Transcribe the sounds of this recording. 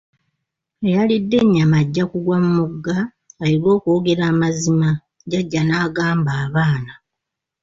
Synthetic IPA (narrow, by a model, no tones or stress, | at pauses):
ejalidːe̞ɲːamaɟːakuɡwamumuɡːaː | lilwo̞ːko̞ːɡe̞ɾaːmazima | ɟaɟːanaːɡaːmbaːβaːna